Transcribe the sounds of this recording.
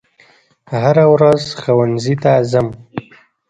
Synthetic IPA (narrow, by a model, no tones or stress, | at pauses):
haɾawɾazxawanzit̪azam